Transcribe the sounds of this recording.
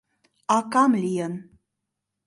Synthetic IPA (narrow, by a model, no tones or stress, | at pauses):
ɑkɑmlijən